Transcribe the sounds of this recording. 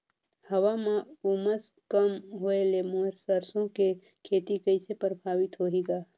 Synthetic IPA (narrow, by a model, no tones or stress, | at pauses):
həʋamãuməs | kəmɦoelemoɾsəɾsõke | kʰeːt̪ikəjsʰepəɾbʱaːʋit̪ɦoːɦeɡaː